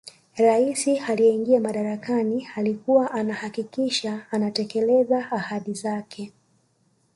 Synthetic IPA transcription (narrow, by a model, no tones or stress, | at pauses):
ɾaisialiɛiŋɡiamaɗaɾakanialikuwaʔanahakikiʃaːnatɛkɛlɛzaːhaɗizakʰɛ